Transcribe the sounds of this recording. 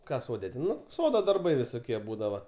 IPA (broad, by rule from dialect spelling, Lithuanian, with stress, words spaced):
ˈkɑː ˈsoːdʲɛ tʲɛn ˈnʊ ˈsoːdoː dɐrˈbɐɪ ʋʲɪsoːˈkʲiɛ ˈbuːdɐʋɐ